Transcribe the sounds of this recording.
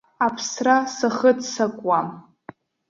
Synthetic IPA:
apʰsrasaχədʰsakʷʼwam

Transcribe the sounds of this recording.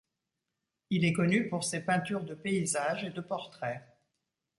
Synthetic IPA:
ilɛkɔnypuʁsepɛ̃t̪yʁd̪əpeizaʒed̪əpɔʁt̪χɛ

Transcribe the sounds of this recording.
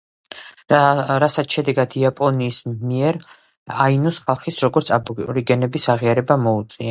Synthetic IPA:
ɾasat̪ʃɛd̪ɛɡad̪̥iapʼɔniːsmiɛɾ | ainɔsχalˠχisɾɔɡɔɾt̪sʰabɔkʼṵɾiɡɛnɛbisaʁiaɾɛbamɔut̪sʼia

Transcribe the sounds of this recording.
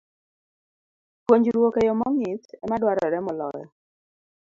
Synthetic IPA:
pwoɲd͡ʒɾwokejɔmɔŋitɛmadwaɾɔɾɛmɔlɔjɔ̰

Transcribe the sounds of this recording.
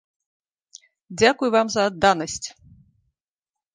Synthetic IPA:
d͡zʲakujvamzɐːd̪ːanɐsʲt͡sʲ

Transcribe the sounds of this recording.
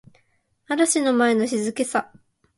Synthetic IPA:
aɾaɕino̞mae̞no̞ɕizɨke̞sa

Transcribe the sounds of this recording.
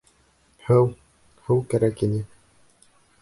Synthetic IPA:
hɘw | hɘwkæɾækinɘ

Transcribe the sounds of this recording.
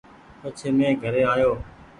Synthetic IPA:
pət͡ʃʰeːmẽːɡʱəɾeːaːjoː

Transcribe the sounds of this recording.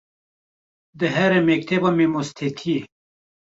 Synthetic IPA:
d̪əɦeɾemek̚t̪ʰebɐmemost̪ʰet̪ʰie

